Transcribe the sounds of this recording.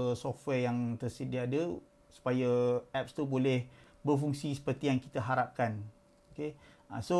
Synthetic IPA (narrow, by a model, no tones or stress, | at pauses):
sɔft̪wɛjaŋt̪ərsədiadə | su̥pajaɛp̚st̪ubolɛhbərfuŋsisə̥pərt̪ijaŋki̥t̪aɦaɾap̚kan | okea̰so